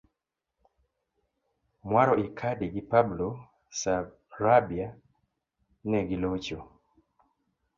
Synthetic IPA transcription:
mwaɾɔʔikʰadiɡipablo | sab | ɾabia | nɛɡilot͡ʃo

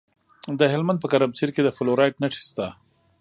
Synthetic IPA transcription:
d̪əɦɪlmand̪pəkaɾamsiɾked̪əfɪloɾajʈnaʂi̥st̪a

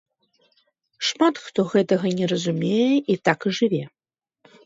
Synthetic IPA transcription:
ʂmat̪xt̪oɣɛt̪ɐɣɐnʲɛrɐzumʲejɛʔit̪akɨʐɨvʲe

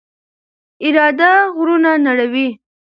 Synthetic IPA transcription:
ɪɾɑd̪aɣɾunanaɽawi

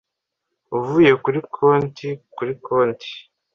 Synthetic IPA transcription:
uvuːje̞kuɾikʰoːntikuɾikoːntʰi̥

